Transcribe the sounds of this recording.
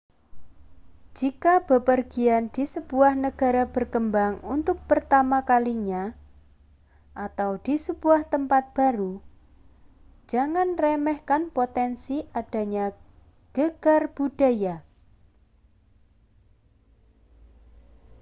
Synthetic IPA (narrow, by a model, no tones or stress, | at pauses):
d͡ʒ̥ikab̥ə̤pərɡ̥iand̪̥isəb̥uahnəɡ̥a̤ɾab̥ərkəmbaŋunt̪ʊk̚pərt̪amakaliɲa | ʔat̪awd̪̥i̤səbuaht̪əmpat̪̚b̥a̤ɾu | d͡ʒ̥aŋanrɛmɛhkanpot̪ɛnsiʔad̥a̤ɲa | ɡ̥əɡ̥arb̥ud̥a̤ja